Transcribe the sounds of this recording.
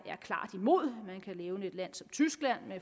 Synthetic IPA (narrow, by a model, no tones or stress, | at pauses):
æɐkʰlɑ̰̈ːd̥imo̝ð̞̰ˠmænkʰæleːʊne̝d̥læn̰sɒ̽mt͡sʰysɡ̥læn̰me